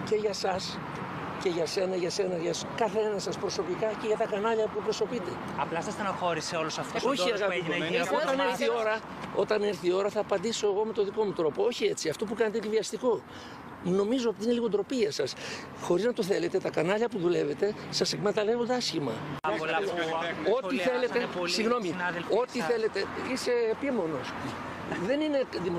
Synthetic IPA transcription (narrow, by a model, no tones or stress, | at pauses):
ce̞ʝɐsɐs | ce̞ʝɐse̞nɐʝɐse̞nɐʝɐskɐθeenɐsɐspɾo̞so̞pikɐce̞ʝɐt̪ɐkɐnɐʎɐput̪upɾo̞so̞pit̪e̞ | ɐplɐsɐst̪ɐnɐxo̞ɾiseo̞losɐft̪osoçiɐɣɐpiot̪ɐneɾθio̞ɾɐ | ot̪ɐne̞ɾθio̞ɾɐθɐːpɐnd̪iso̞eɣo̞me̞t̪o̞ðiko̞mut̪ɾo̞po̞o̞çie̞t͡siɐft̪o̞p̬ukɐnt̪eviɐst̪iko̞ | no̞mizoot̪iineliɣo̞d̪ɾo̞piɐsɐs | xo̞ɾiznɐt̪o̞θe̞le̞t̪e̞t̪ɐkɐnɐʎɐpuðule̞ve̞t̪e̞ | sɐsekmet̪ɐle̞vund̪eɐsçimɐ | oiθe̞let̪esiɣno̞minðelo̞t̪iθe̞le̞t̪e̞ise̞ːpimo̞no̞s | ðe̞nine̞ðimo